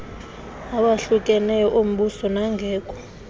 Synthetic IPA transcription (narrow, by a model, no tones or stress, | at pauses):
aɓaɬuk̬ʼɛnɛjɔʔom̩ɓusɔnaŋɡʱɛːkʼɔ̥